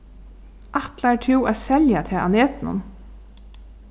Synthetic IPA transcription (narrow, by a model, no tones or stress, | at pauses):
ʔaht̪laɛɹʈʰɪwaðsɛljat̪ʰɛːa̰neːt̪ɪnʊ̰n